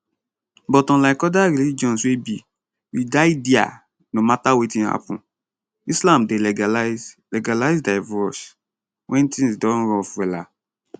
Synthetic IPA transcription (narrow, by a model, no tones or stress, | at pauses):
bɔtɔ̃laɪkɔdaɹilid͡ʒɔ̃nswebi | widaɪdia̰ | nomatawetĩnha̰pṵ̃n | islãmdelɛl | lɛɡalaɪzdaɪvɔs | wʔɛ̃ntĩsdɔ̃nɹɔfwɛla